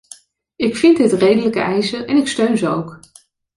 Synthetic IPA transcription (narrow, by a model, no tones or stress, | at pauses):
ɪkfɪntɦətrejdələkə̰ɛjsəʔɛnɪkstøɥnzəowk